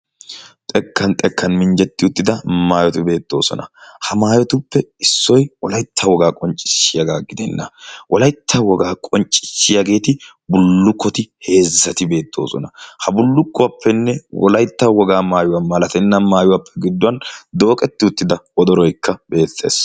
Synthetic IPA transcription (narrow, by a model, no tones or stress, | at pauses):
t̪ʼɛkːɐnt̪ʼɛkːɐnmɪnd͡ʒɛt̪ːɪʊt̪ːɪd̪ɐmaːjɔt̪ɪbe̞ːt̪ːo̞̰ːsɔ̰nɐ̰hɐmaːjɔt̪ʊpːɛɪsːɔjwɔlɐjt̪ʰːɐwɔɡaːkʼɔnt͡ʃʼːɪ̥sːɪjɐɡaːɡɪd̪ɛnːɐwʔɔlɐjt̪ʰːɐwɔɡaːkʼɔnt͡ʃʼːɪ̥ʃːɪjɐɡe̞ːt̪ɪ | bʊlːʊkːɔt̪ɪhe̞ːzːɐt̪ɪbe̞ːt̪ʰːo̞̰ːsɔ̰nɐhɐbʊlːʊkːʊwɐpʰːɛnːɛwɔ̰lɐjt̪ːɐwɔɡaːmaːjʊwɐnmɐlɐt̪ɛnːɐmaːjʊwɐpʰːɛɡɪd̪ːʊwɐnd̪o̞ːkʼɛt̪ːɪʊt̪ːɪd̪ɐwɔd̪ɔɾɔjkːɐbe̞ːt̪ːe̞̰ːs